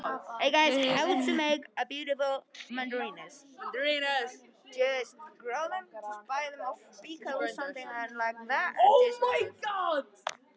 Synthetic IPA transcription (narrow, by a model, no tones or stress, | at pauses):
ʔeɪɡaɪ̥hatɨmeɪkəbjʉɾɨfl̩ˠmʌ̃ndə˞ĩnəsʌ̃ndəɹĩnəs | ʒ̥ʌsɡ̥ɹoʊðə̃mb̥aɪðə̃mɔfb̥ikʰəəsʌ̃mθɪ̃ŋə̃nlaɪk̚ðætoʊmaɪɡɑd̥